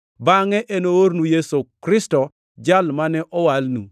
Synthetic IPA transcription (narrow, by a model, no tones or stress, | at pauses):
baŋɛʔenooɾnujesokɾɪstɔ | d͡ʒalmanɛʔɔwalnṵ